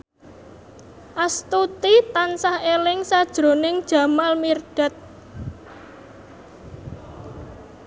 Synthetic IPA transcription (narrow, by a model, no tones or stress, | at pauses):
ʔast̪ut̪it̪ansahelɪŋsad̥ʒ̥ɾo̤nɪŋd̥ʒ̥ä̤malmirɖ̥a̤t̪̚